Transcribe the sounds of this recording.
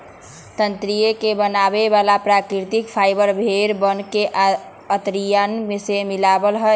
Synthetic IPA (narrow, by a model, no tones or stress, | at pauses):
t̪ənt̪ɾijekebənabeβalapɾakɾiɾt̪ikpʰajbəɾbʱeɾbənkeʔ | ət̪ɾijanmesemilabəlɦɔ